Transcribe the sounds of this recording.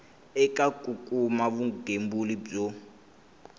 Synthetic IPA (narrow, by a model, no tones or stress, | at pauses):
ɛkʼakʼukʼumaβuɡembulib͡ʐo